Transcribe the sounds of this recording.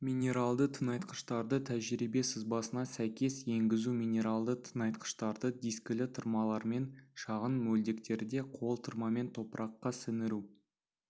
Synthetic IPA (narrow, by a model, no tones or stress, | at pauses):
mʲinʲe̞ɾalˠd̪ət̪ʰənɑjt̪qə̥ʃt̪ɑɾd̪ət̪ʰæʒɾibe̞sɪzbɑsənɑsæjkʲe̞sje̞ŋɡʲɪzuminʲe̞ɾalˠd̪ət̪ʰənɑjt̪qə̥ʃt̪ɑɾd̪əd̪ijsklɪt̪ʰəɾmɑlˠɑɾme̞nʃɑʁənmɵld̪e̞kt̪e̞ɾd̪e̞qʰo̞lˠt̪ʰəɾmɑme̞nt̪ʰo̞pəɾʔɑqːɑsɪnɪɾu